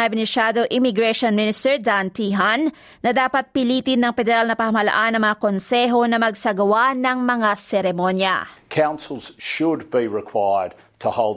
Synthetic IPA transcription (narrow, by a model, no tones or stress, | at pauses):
ɐmɪnɪʃaːd̪oʔɪmɪɡɾɛʃonmɪnɪst̪ɛɹd̪ant̪iɦan | nɐd̪aːpɐt̪̚pɪliːt̪ɪnːɐŋpɛd̪ɛɾalnɐpɐhɐmɐlɐ̰ʔanːɐŋmɐŋakonsɛɦo̞nɐmɐɡsɐɡɐwanɐŋmɐŋasɛɾɛmo̞njɐ̰kʰãʊ̃nsl̩ˠz̥ʃʊd̚biɹɪkʰw̥aɪə˞d̚ | tʰəhoʊlˠd